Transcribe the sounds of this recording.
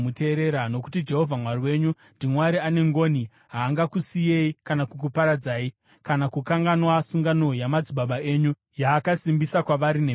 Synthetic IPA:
ute̞ɾe̞ɾano̞ku̥tid͡ʒe̞ɦo̞vʱamwaɾiwe̞ːɲu | ndimwaɾiane̞ŋɡo̞ːni | ɦaːŋɡakusijeikanakuk̬upaɾad͡zaːi | kanakukaŋɡanwasuŋɡano̞jamad͡ziɓaɓae̞ːɲu | jaːkasimbisakwaʋaɾine

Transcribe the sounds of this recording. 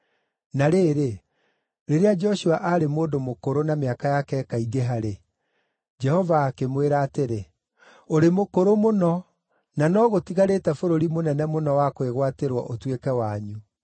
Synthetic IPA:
naɾeːɾe | ɾeɾead͡ʒɔʃuaʔaɾemoːdomokoɾonameakajakɛkaiɡeɦaɾe | d͡ʒɛhɔvaːkemweɾaːteɾe | oɾemokoɾomonɔ | nanɔːɣotiɣaɾetɛfoɾoɾimonɛnɛmonɔwakweɣwateɾwɔ̰ʔotwekɛwaːɲu

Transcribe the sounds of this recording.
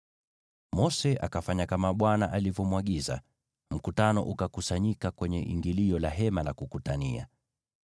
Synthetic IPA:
mɔsɛʔakafaɲakamaɓwana̰ʔalivɔmuwaɠiza̰ | m̩kutanɔ̰ʔukakusaɲikakwɛɲɛ̰ʔḭŋɡiliɔlaɦɛmalakukutania̰

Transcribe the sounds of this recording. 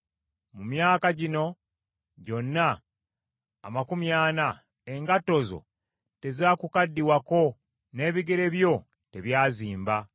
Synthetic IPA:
mumjaːkaɟino̞ | ɟo̞nːa | makumjaːna | e̞ŋɡato̞zo̞̰ | te̞zaːkukadːiwako̞ | ne̞ːβiɡe̞ɾe̞βjo̞ | te̞βjaːziːmba

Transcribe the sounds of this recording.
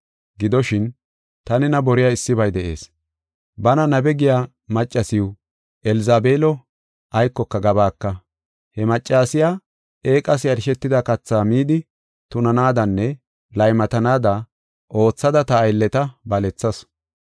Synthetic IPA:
ɡɪd̪ɔʃɪn | t̪ɐnɪnɐbɔɾɪjaɪsːɪbɐjd̪ɛʔe̞̰ːs | bɐnɐnɐbɛɡɪjaː | mɐt͡ʃʼːɐsɪw | ʔɛlɪzaːbeːlɔ | ʔɐjkːɔkːɐɡɐbaːkːɐ | hɛmɐt͡ʃʼːaːsɪjaː | e̞ːkʼɐsɪjɐɾɪʃɛt̪ːɪd̪ɐkɐt͡sːaːmiːd̪ɪ | t̪ʊnɐnaːd̪ɐnːɛ | lɐjmɐt̪ɐnaːd̪ɐ | ʔo̞ːt͡sːɐd̪ɐt̪ɐːjlːɛt̪ɐbɐlɛt͡sːɐs

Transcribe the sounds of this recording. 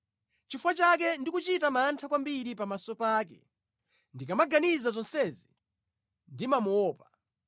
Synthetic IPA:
t͡ʃifwat͡ʃakɛndikut͡ʃitamaːntʰakwambiɾipamasɔpaːk̬ɛ̰ | ndikamaɡanizazɔnsɛzi | ndimamuɔːpḁ

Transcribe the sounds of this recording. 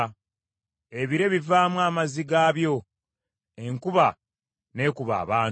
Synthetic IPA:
e̞βiɾe̞βivaːmwaːmaziɡaːβjo̞ | e̞ŋkuβa | ne̞ːkuβa̰ːβaː

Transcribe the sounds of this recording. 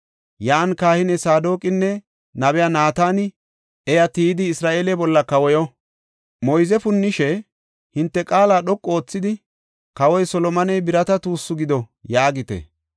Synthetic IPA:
jaːnkaːhɪnɛsaːd̪o̞ːkʼɪnːɛ | nɐbɛjanaːt̪aːnɪ | ʔɛjɐt̪iːd̪ɪːsɾaːʔe̞ːlɛbɔlːɐkɐwɔjɔ | mɔjzɛfʊnːɪʃɛ | hɪnt̪ːɛkʼaːlaːɗɔkʼːo̞ːt͡sːɪd̪ɪ | kɐwɔjsɔlɔmɐnɛjbɪɾɐt̪ɐt̪uːsːʊɡɪd̪ɔjaːɡɪt̪ɛ̰

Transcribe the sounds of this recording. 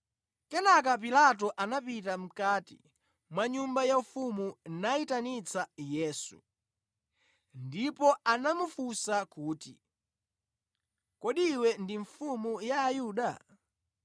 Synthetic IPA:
kɛnak̬ap̬ilat̬ɔʔanapitam̩katḭ | mwaɲumbajaufumunaitanit͡sajɛːsṵ | ndipɔanamufusakuːtḭ | kɔɗiwɛndiɱfumujaːjuːɗa

